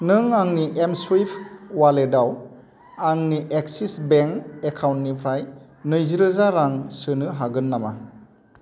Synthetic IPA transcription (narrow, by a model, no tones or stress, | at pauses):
nɯŋaŋniʔemswipʰwaledaw | aŋniʔeksisbeŋekʰawntnipʰɾaj | nɯjziɾɯzaɾaŋsɯnɯɦaɡɯnːama